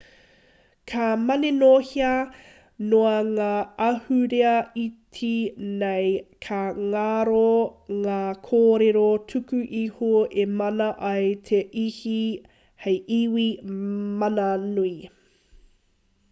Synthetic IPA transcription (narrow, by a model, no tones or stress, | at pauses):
kʰamɐnenohiɐ | noɐŋaːɐhʉɾeɐitʰinejkʰaŋaɾoŋaːkʰoːɾeɾotʰʉkʉʔihoʔemɐnɐʔɐjtʰeʔihi | hejʔiwimɐnɐnui